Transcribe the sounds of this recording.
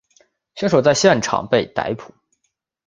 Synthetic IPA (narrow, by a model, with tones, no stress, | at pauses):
ɕy˧˥nʂo˨˩t͡sa˥˧ɪɕjɛ˥˩nʈ͡ʂʰɑ̰˨˩ŋpe˥˩ɪt̪a̰˧˥ɪpʰu̥˨˩˦